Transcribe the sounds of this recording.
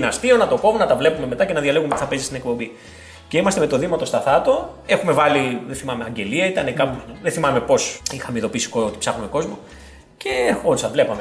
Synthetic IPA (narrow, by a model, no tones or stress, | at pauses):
nɐst̪io̞nɐt̪oko̞mnɐt̪ɐvle̞pume̞me̞t̪ɐce̞nɐðʝɐle̞ɣumet̪iθɐpezist̪ine̞k̚po̞bi | ceimɐst̪eme̞t̪o̞ðimɐt̪o̞st̪ɐθɐt̪oe̞xume̞vɐliðeθimɐme̞ɐɟe̞liɐit̪ɐnekɐpðeθimɐme̞po̞sixɐmeiðo̞pisi̥koot̪i̥psɐxume̞ko̞zmo̞ | ce̞ot̪isɐvle̞pɐme